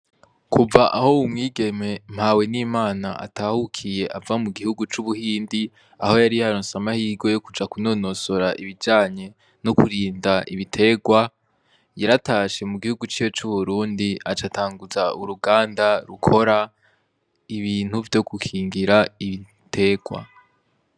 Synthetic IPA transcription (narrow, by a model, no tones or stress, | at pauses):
kʰuvaʔaho̞umŋiːɡe̞me̞m̥hawe̞niːmaːnaʔa̰taːhukʰije̞ʔavamuɡihuɡut͡ʃuβuhiːndi | aho̞jaɾijaɾonsamahiːɡo̞jokud͡ʒakuno̞ːno̞so̞ɾaʔiβid͡ʒaːɲe̞ | nokuɾiːndaiβitʰe̞ɡwa | jaɾataːʃe̞muɡihuɡut͡ʃiːwot͡ʃuβuɾuːndiʔat͡ʃatʰaːŋɡuzaʔuɾuɡaːndaɾukʰo̞ɾa | iβiːn̥huvjo̞ɡukʰiːŋɡiɾaiβi | tʰe̞ɡ̥wa̰